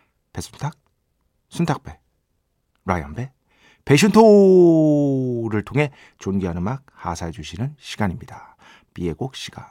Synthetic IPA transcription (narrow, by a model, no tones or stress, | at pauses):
pesʰu̥ntʰak̚ | sʰuntʰak̚p͈e̞ | ɾa̰jʌ̰nbe̞ | peɕ̬ʰuntʰo | ɾɯɭtʰoŋɦe̞ | t͡ɕonɡianɯmak̚hasʰad͡ʑuɕʰinɯnɕʰiɡaɲimɲida | pie̞ɡok̚ɕ͈ʰiɡ̥a